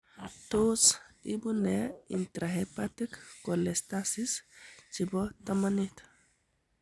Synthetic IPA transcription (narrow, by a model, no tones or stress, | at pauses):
t̪osḭbuneḭnt̪ɾaɦepat̪ikkolest̪asist͡ʃibɔt̪amanit̪